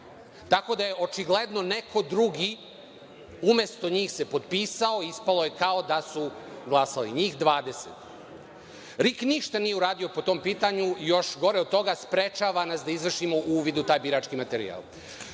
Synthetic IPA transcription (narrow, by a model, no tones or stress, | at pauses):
t̪ako̞d̪aje̞ʔo̞t͡ʃiɡle̞d̪no̞nekʰo̞d̪ɾuɡi | ume̞st̪oɲiːxse̞po̞d̪piːsaoispalo̞je̞kao̞d̪asuɡlˠasalḭɲiːxd̪ʋaːd̪e̞sḛt̪ | ɾikniʃt̪anije̞uɾaːd̪io̞po̞t̪o̞ːmpiːt̪aɲujo̞ʃɡo̞ɾeo̞d̪̚t̪o̞ɡaspɾet͡ʃaʋanasd̪aizʋr̩ʃimo̞ʔuːʋid̪ut̪aːjbiɾaːt͡ʃkimat̪eɾḭa̰lˠ